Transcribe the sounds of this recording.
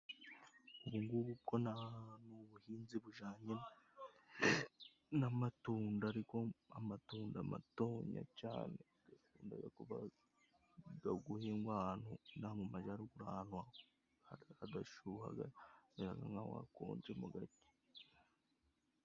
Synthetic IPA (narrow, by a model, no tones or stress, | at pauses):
uβuŋɡuɡukonanuβuhiːnziβuʒaːɲena | namatuːndaɾiko̞amatuːndama̰to̞ːɲa̰t͡ʃa̰ːne | ɡ̥afuːnda̰ɡakuβa | ɡaɡuheŋɡwahaːnhunahamumaʒahaɾikuɾaːnwa | haadaʃuha̰ɡaeaɡaŋɡawa̰ko̰ːɲd͡ʒemuɡati̥